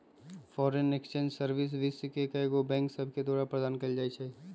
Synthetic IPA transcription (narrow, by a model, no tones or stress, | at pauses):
fɔːɾenekst͡ʃẽːnd͡ʒsɐɾʋɪs̬ʋɪskekɐeɡobɛ̃ːŋksɐbʱked̪ɔaːɾapɾɐd̪aːnkɐld͡ʒaːit͡ʃʰai